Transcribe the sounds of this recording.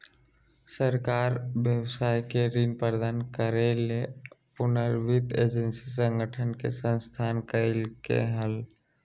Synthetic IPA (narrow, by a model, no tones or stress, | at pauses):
səɾkaːɾʋjəwsaːjkeɾinpəɾd̪aːnkəɾelepʊnəɾʋɪt̪eːd͡ʒənsis̬ə̃ŋɡəʈʰənkḛsə̃nst̪ʰaːnkəɪlkḛɦəl